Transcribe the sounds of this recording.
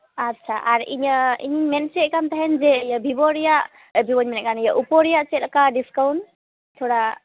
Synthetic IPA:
atːt͡ʃʰaʔaɾḭɲəḭɲimɛnt͡ʃɛt̪̚kamt̪aɦɛnd͡ʒɛjəbʱibɔɾijaʔ | bʱibɔɲmɛnɛkanijəʔupɔɾijaʔt͡ʃɛt̪̚lakadiskawn | t̪ʰɔɽa

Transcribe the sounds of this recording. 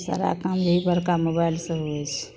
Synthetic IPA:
sa̰ɾa̰kamjəɦibəɾkamobailsə̃ɦoɛt͡ʃʰ

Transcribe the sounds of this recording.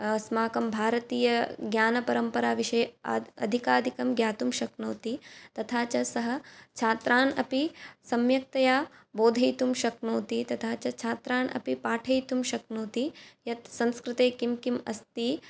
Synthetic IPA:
smaːkɐmbʱaːɾɐt̪iːjɐɡjaːnɐpɐɾɐmpɐɾaːʋiʃɐjɐaɐ̰d̪ʱikaːd̪ʱikɐmɡjaːt̪umʃɐknoːt̪it̪ɐt̪ʰaːt͡ʃɐsɐɦɐ̆t͡ʃʰaːt̪ɾʔaːnɐ̰pisɐmjɐk̚t̪ɐjaːboːd̪ʱɐjt̪umʃɐknoːt̪it̪ɐt̪ʰaːt͡ʃɐt͡ʃʰaːt̪ɾaːnɐ̰pipaːʈʰɐjt̪umʃɐknoːt̪ijɐt̪sɐ̃nskɾɪt̪eːkimkimɐ̰st̪i

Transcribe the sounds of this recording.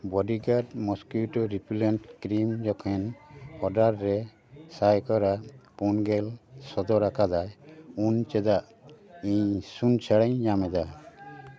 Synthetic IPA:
bɔɖiɡadmɔskuʈɔɾipʰilenʈkɾimd͡ʒɔkʰɛnɔɖaɾːɛ | sajkɔɾapunɡɛlsɔd̪ɔɾakʰadajunt͡ʃɛd̪aʔ | ĩɲsunt͡ʃʰaɽaɲd͡ʒamɛd̪a

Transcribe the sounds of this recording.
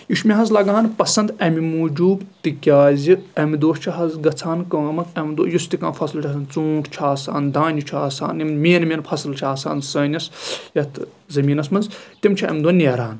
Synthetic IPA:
juʃmʲiɦɐzlɐɡaːnpɐsɐnd̪ɐmimuːd͡ʒuːbt̪ikʲaːzʲiɐmid̪oːʃt͡ʃʰɐɦɐzɡɐt͡sʰaːnkɐːmɐt̪ʰɐmd̪o̰ːjust̪ikã̰ːnfʰɐslt͡ʃʰasaːnt͡sũːkt͡ʃʰaːsa̰ːnd̪aːnʲut͡ʃʰaːsa̰ːnimmeːnmʲenpʰɐslt͡ʃʰaːsa̰ːnsɐːnʲɐsjɐt̪ʰ | zɐmiːnɐsmɐnzt̪imt͡ʃʰaɐ̰md̪oːnʲeːɾaːn

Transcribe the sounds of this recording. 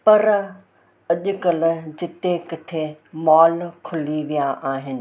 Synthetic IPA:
pɐɾ | ɐʄʊ̆kɐl̆d͡ʑɪt̪ekɐt̪ʰemɔːlkʰʊliʋijaʔaːɦɪnɪ̆

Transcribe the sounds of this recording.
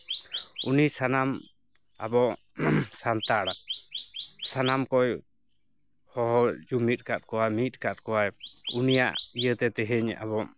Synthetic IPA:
unisanam | a̰bɔ | sant̪aɽa | sanamkɔj | hɔɦɔd͡ʒumit̪̚ˀkat̪̚kɔwamit̪̚kat̪̚kɔwajunija̰ʔijət̪ɛt̪ɛɦɛɲa̰bɔ

